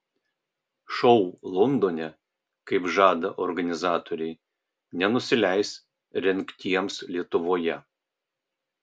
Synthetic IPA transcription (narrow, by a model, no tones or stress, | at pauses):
ʃɔʊlˠɔnd̪oːnʲɛ | kɐɪpʒɑːd̪ɐʔɔɾɡɐnʲɪzɑːt̪oːɾʲɛɪ | nʲɛnʊsʲɪlʲæɪs | ɾʲɛŋʲkt̪ʲiɛmslʲiɛt̪ʊʋoːjɛ